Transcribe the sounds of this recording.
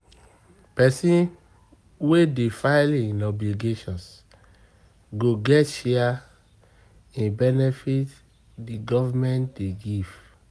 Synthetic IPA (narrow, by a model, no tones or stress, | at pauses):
pɛsĩn | wedefaɪlĩnɔbliɡeʃɔ̃ns | ɡoɡɛtʃɛa | ĩnbɛnɛfit | diɡɔvamɛ̃ntdeɡiv̥